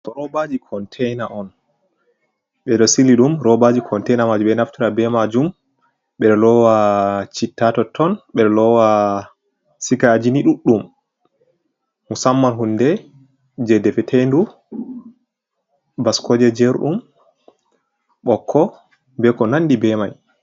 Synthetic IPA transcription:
tɔɾɔbad͡ʒikʰɔntʰɛjnaʔɔn | ɓɛɗɔsiliɗumɾɔbad͡ʒikʰɔntɛjnamad͡ʒumɓɛnaftiɾabɛmad͡ʒum | ɓɛɗɔlɔwat͡ʃitːatɔtʰːɔnɓɛɗɔlɔwa | sikad͡ʒiniɗuɗːum | usamːanɦundɛ | d͡ʒɛdɛfɛtʰejndu | baskɔd͡ʒɛd͡ʒɛɾɗum | ɓɔkʰːɔ | bɛkɔnandibɛmaj

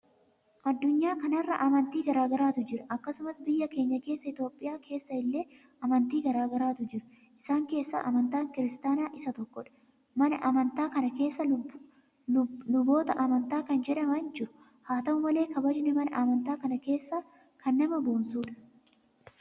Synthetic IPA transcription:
ʔɐd̪ːʊɲːaːkɐnɐrːɐ̰ʔɐmɐnt̪iːɡɐɾaːɡɐɾaːt̪ʊd͡ʒɪɾɐʔɐkːɐsʊmɐsbɪjːɐke̞ːɲːɐke̞ːsːɐɪt̪jo̞ːpʼːɪjaːkʰe̞ːsːɐɪlːe̞ː | ɐmɐnt̪iːɡɐɾaːɡɐɾaːt̪ʊd͡ʒɪɾʊ | ɪsaːŋke̞ːsːɐ̰ʔɐ̰mɐnt̪aːŋkɪɾɪst̪aːnaːʔɪsɐt̪ɔkːɔᶑɐ̥ | mɐnɐʔɐmɐnt̪aːkɐnɐke̞ːsːɐ | lʊbo̞ːt̪ɐʔɐmɐnt̪aːkɐnd͡ʒɛᶑɐmɐnd͡ʒɪɾʊ̥ | haːt̪ɐʊmɐle̞ːkɐbɐd͡ʒnɛmɐnɐ̰ʔɐmɐnt̪aːkɐnɐke̞ːsːa | kʰɐnːɐmɐbo̞ːnsuːᶑɐ̥

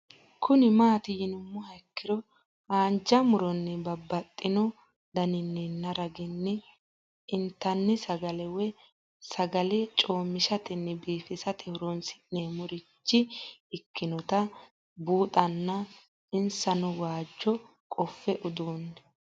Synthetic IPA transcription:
kʰʊnɪmaːt̪ɪjɪnʊmːʊhɐɪkːɪɾɔ | aːnd͡ʒɐmʊɾɔnːɪbɐbːɐt̪ʼːɪnɔ | d̪ɐnɪnːinːɐɾɐɡɪnːɪ | ɪnt̪ːɐnːɪsɐɡɐlɛwɛ | sɐɡɐlɛt͡ʃʼo̞ːmːɪʃɐt̪ɪnːɪbiːfɪsɐt̪ɛhʊɾɔnsɪ̥nːemʊɾɪt͡ʃːɪɪkːɪnɔt̪ɐ | buːt̪ʼɐnːɐ | ɪnsɐnʊwaːd͡ʒːɔ | kʼɔfːɛʔʊd̪uːnːɛ

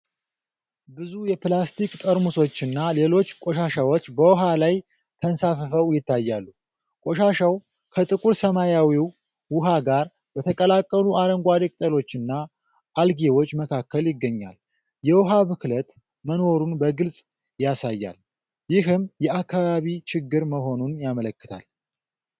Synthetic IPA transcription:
bɨzujɛplast̪ʰikt̪ʼəɾmuso̞t͡ʃːɨnːale̞lo̞t͡ʃːkʼoʃaʃawot͡ʃːbəwʊɦalaj | t̪ʰənsafəfəwjɪt̪ʰːajːalːu | kʼo̞ʃaʃaw | kʰət̪ʼɨkʼuɾsəmajawiw | wʊɦaɡaɾ | b̥ət̪ʰəkʼəlakʼːəluʔaɾəŋɡʷad̪ekʼt̪ʼəlo̞t͡ʃːɨnːa | ʔːlɡewo̞t͡ʃːməkʰakːəljɪɡːəɲːa̰l | jɛwɦaβɨklət̪ | məno̞ɾunbəɡɨlsʼ | jasajːa̰l | jɪɦɨmjɛakːaβaβit͡ʃɪɡːɨɾməɦo̞nunjamələkːɨ̥t̪ʰa̰l

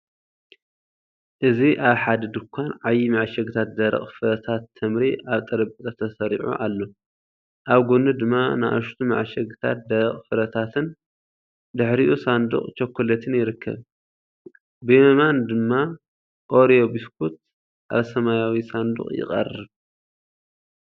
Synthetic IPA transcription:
ʔɨziʔaβħad̪ɐd̪ɨkʷʰːanʕajːimaʕʃɐɡɨt̪ʰat̪̚d̪ɐɾɐ̰χʼfɨɾɐt̪ʰat̪ʰːɐmɾiʔaβt̪ʼɐɾɐbt̪ʼɐt̪ʰɐsɐɾiʕṵʔalːo̞ | ʔaβɡonɨd̪ɨmːana̰ʔaʃt̪ʰuma̰ʕʃɐɡɨt̪ʰa̰t̪̚d̪ɐɾɐχʼfɨɾɐt̪ʰat̪ʰɨn | d̪ɨħɾiʔusand̪ṵχʼt͡ʃʰɐkʰːolɐt̪ʰɨnjɪɾɨkːɐ̰β | bɨmɐmand̪ɨmːa | ʔo̞ɾijobiskʰut̪̚ | ʔa̰βsɐmajawisand̪ṵχʼjɪ̰qʼɐ̰rːɨβ

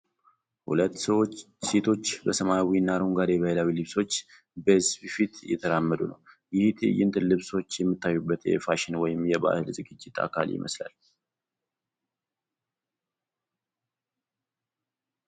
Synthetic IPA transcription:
hṵlət̪ːsəwo | set̪ʰo̞t͡ʃːbəsəmajawinːaɾuŋɡad̪jɛβəhelawilɨβso̞t͡ʃː | bəhɨzbfit̪jɛ̰t̪ʰəɾamːəd̪unə̰w | jɪht̪ʰjɪnt̪ʰɨnlɨβso̞t͡ʃːjɛmːɨt̪ːajːubːət̪jɛ̰faʃɪnwɔjɪmjɛba̰hɨlzɨɡɨd͡ʒːɪt̪ʼʰa̰kʰa̰ljɪ̰mʔə̰sla̰l

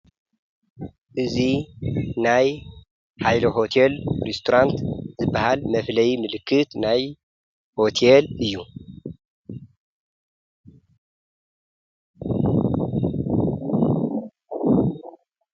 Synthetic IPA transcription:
ʔɨzinaj | ħajloɦo̞t̪ʰelɾest̪ʰoɾant̪zɨbːahalmɐflɐjimɨlɨkʰːɨt̪naj | ho̞t̪ʰelɨjːu

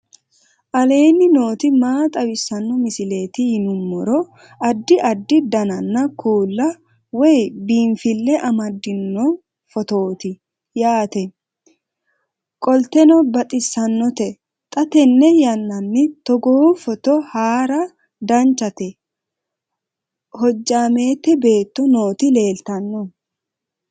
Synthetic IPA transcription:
ʔɐle̞ːnːɪno̞ːt̪ɪmaːt̪ʼɐwɪsːɐnːɔmɪsɪle̞ːt̪ɪhɪnʊmːɔɾɔ | ɐd̪ːɪʔɐd̪ːɪd̪ɐnɐnːɐkʰuːlːɐ | wɔjbiːɱfɪlːɛʔɐmɐd̪ːɪnːɔ | fɔt̪o̞ːt̪ɪ | jaːt̪ɛ | kʼɔlt̪ɛnɔbɐt̪ʼɪsːɐnːɔt̪ɛ | t̪ʼɐt̪ɛnːɛjɐnːɐnːɪt̪ɔɡofɔt̪ɔhaːɾɐ | d̪ɐnt͡ʃːɐt̪ɛ | hɔd͡ʒːaːme̞ːt̪ːɛbe̞ːt̪ːɔnoːt̪ɪle̞ːlt̪ɐnːɔ

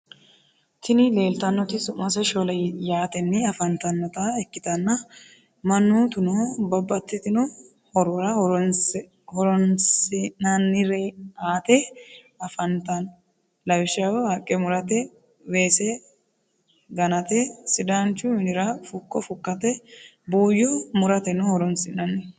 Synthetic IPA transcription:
t̪ɪnɪle̞ːlt̪ɐnːɔt̪ɪsʊmːɐsɛʃolɐjaːt̪ɛnːɪɐfɐnt̪ɐnːɔt̪ɐɛkːɪt̪ɐnːɐ | mɐnːut̪ʊnɔbɐbːɐt̪ːɪt̪ɪnɔ | hɔɾɔɾɐ | hɔɾɔnsɪnɐnːɪɾeaːt̪ɛ | ɐfɐnt̪ɐn | lɐwɪʃɐwhakʼːɛmʊɾɐt̪ɛ | weːsɛ | ɡɐnɐt̪ɛsɪd̪aːnt͡ʃːʊmɪnɪɾɐfʊkːɔfʊkːɐt̪ɛ | buːjɔmʊɾɐt̪ɛnɔhɔɾɔnsɪnɐnːɛ

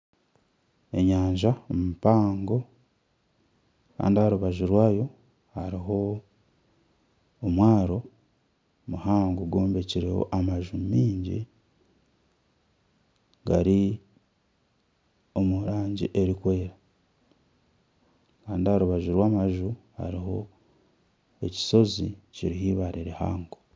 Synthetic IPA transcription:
e̞̰ɲaːɲʒaomupaːŋɡo̞ | ka̰ːndihaɾuβaʒuɾwaːjo̞ | haɾiɦo̞ | mwaːɾo̞ | muhaːŋɡuɡo̞ːmbe̞ciɾeho̞̰ʔamaʒumiːɲɟḭ | ɡaɾi | o̞muɾaːɲɟḭʔe̞ɾikwe̞ːɾa | kaːndihaɾuβaʒuɾwaːmaʒu | ha̰ɾiɦo̞̰ | e̞ci̥so̞ziciɾihiːβaɾiɾeha̰ːŋɡo

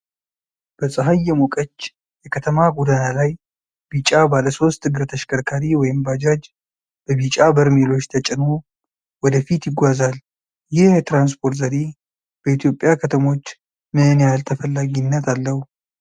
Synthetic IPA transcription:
b̥əsʼɨɦajːɛmokʼət͡ʃː | jɛkʰət̪ʰəmaɡud̪analaj | b̥it͡ʃʼabaləso̞st̪ʰːɨɡɨɾt̪ʰəʃkʰəɾkʰaɾiwɔjɪmbad͡ʒad͡ʒ | b̥əbit͡ʃʼabəɾmelo̞t͡ʃːt̪ʰət͡ʃʼɪno | wɔd̪əfit̪jɪɡʷazal | jɪhjɛt̪ɾans̬pʰo̞ɾt̪zəɾe | b̥əit̪jo̞pʼjakʰət̪ʰəmo̞t͡ʃː | mɨɨnjalt̪ʰəfəlːaɡinːət̪alːəhu

